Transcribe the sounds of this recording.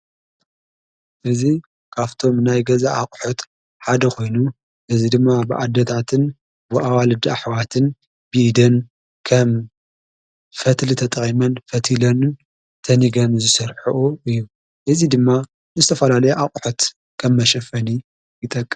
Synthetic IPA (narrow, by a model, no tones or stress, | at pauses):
ʔɨzi | kʰaβt̪ʰo̞mnajɡɐzaʔakʼħot̪ | ħad̪ɐkʰo̞jnu | ʔɨzid̪ɨmːabɨʔad̪ɐt̪ʰat̪ʰɨn | bɨʔawalɨd̪ɐaħwat̪ʰɨn | bɨʔd̪ɐn | kʰɐm | fɐt̪lit̪ʰɐt̪ʼχʼimɐnfɐt̪ʰilɐnɨn | t̪ʰɐniɡɐnzɨsɐɾħuʔuʔɨjːu | ʔɨzid̪ɨmːa | nɨzɨt̪ʰɐfɐlalɐjuʔakʼħot̪ | kʰɐmːɐʃɐfɐni | jɨt̪ʼɐkʼːɨ